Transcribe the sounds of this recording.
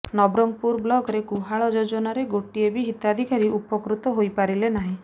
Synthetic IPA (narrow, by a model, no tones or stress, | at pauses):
nɔbɾɔŋpuɾblɔɡɾeɡuɦaɭɔd͡ʒod͡ʒɔnaɾeɡoʈiebiɦit̪ad̪ʱikaɾiʔupɔkɾut̪ɔɦojpaɾilenaɦĩ